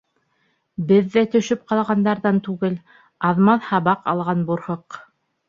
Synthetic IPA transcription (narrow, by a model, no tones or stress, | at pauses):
bɘðːæt̪ɵ̆ʃɵp̚qɑlˠʁɑnd̪ɑɾðɑnt̪ʉɡɘl | ɑðmɑθhɑβɑqɑlˠʁɑnbuɾhoq